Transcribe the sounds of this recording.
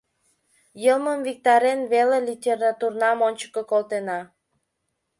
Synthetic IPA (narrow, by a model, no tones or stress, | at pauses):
jəməmvik̚t̪ɑɾenβelelʲitʲerɑt̪urnɑmonʲt͡ɕə̥kokolt̪enɑ